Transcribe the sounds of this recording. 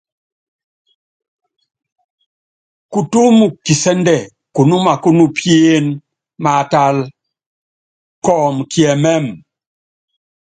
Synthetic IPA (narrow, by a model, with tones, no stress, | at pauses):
ku˨tu˦mu˨ki˨sɛ˦n˦dɛ˦˨ | ku˨nu˦ma˨ku˦nu˦pʰje˦n | ma˨ta˦˨l | kɔː˨mkjɛ˨mɛ˦˨m